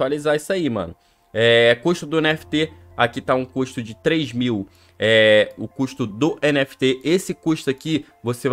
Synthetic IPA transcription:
alizaisaimɐ̰̃nʊ | ɛkuʃt̪ʊd̪ʊẽnɛfi̥t̪e | akit̪aũkuʃt̪ʊd͡ʒɪt̪ɾejzmiw | ɛʊkuʃt̪ʊd̪ʊʔẽnɛfi̥t̪eesɪkuʃt̪aki | vosev

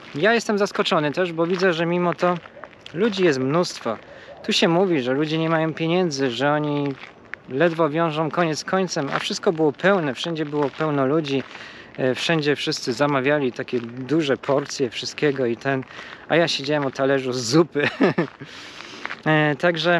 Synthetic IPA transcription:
jajɛst̪ɛmzaskɔt͡ʂɔnɘt̪ɛʐbɔvʲid̪zɛʐɛmʲimɔt̪ɔ | lud͡ʑijɛst̪mnust̪fɔ̰t̪uɕɛmuvʲiʐɛlud͡ʑɛɲɛmajɔ̃w̃pʲjeɲɛnd̪zɘʐɛɔɲi | lɛd̪vɔvʲjɔ̃w̃ʐɔ̃w̃kɔɲɛt̪skʰɔɲt̪sɛma̰fʂɘst̪̚kɔbɘwɔpɛwnɛfʂɛɲd͡ʑɛbɘwɔpɛwnɔlud͡ʑi | fʂɛɲd͡ʑɛfʂɘst̪sɘzamavʲjalʲit̪akʲɛd̪uʐɛpʰɔɾt̪sʲjɛfʂɘst̪̚kʲɛɡɔit̪ɛnajaɕed͡ʑawɛmut̪alɛʐuzːupɘ | t̪aɡʐɛ

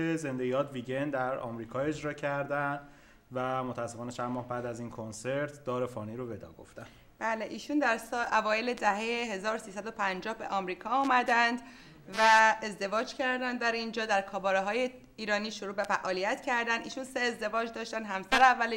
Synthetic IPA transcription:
ezend̪eɡijɒːt̪viːɟend̪d̪æɾɒ̰ːmɾiːkʰɒːe̞d͡ʒɾɒːcʰæɾd̪æn | væmot̪ʰææsːefɒːnet͡ʃʰænmɒːhbæːd̪æziːnkʰonseɾt̪ʰd̪ɒːɾefɒːniːɾobe̞d̪ɒ̰ːɡo̞̰ft̪æn | b̥æːleʔiːʃund̪æɾsɒlʔævɒːjele̞d̪æɦejeɦe̞zɒːɾosiːsæd̪o̞pʰænd͡ʒɒːhbe̞ʔɒːmɾiːkʰɒːuːmæd̪ænd̪ | væezd̪e̞vɒːd͡ʒcʰæɾd̪ænd̪̚d̪æɾind͡ʒɒːd̪æɾkʰɒːbɒːɾeɦɒːje | iːɾɒːniːʃoɾuːbefæʔɒːlijæt̪cʰæɾd̪ænd̪iːʃunseːzd̪e̞vɒːd͡ʒd̪ɒːʃt̪ænd̪ɦæmsæɾeævːæl

